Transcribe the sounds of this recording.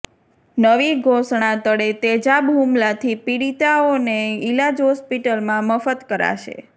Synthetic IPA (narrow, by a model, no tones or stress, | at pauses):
nəʋiɡʱosɳ̃at̪əɽet̪ed͡ʒabʱɦumlat̪ʰipiɽit̪aoneilad͡ʒɦɔspiʈəlmãməfət̪kəɾa̰ʃḛ